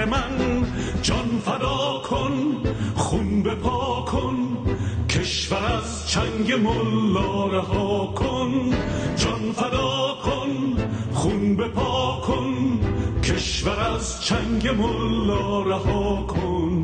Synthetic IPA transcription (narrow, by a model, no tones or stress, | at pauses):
emæn | d͡ʒɒnfæd̪ɒːkʰonχunbepʰɒːkʰonkʰeʃvæɾæz | t͡ʃʰæŋɡemolːɒːɾæɦɒːkʰond͡ʒɒnfæd̪ɒːkʰonχunbepʰɒːkʰonkʰeʃvæɾæz | t͡ʃʰæŋɡemolːɒːɾæhɒːkʰon